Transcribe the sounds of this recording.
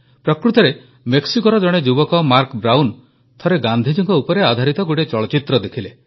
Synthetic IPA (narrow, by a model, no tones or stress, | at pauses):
pɾɔkɾut̪ɔɾe | meksikɔɾɔd͡ʒɔɽ̃ed͡ʒubɔkɔmaɾkbɾawn | t̪ʰɔɾeɡand̪ʱid͡ʒiŋkɔupɔɾead̪ʱaɾit̪ɔɡuʈet͡ʃɔɭɔt͡ʃit̪ɾɔd̪ekʰile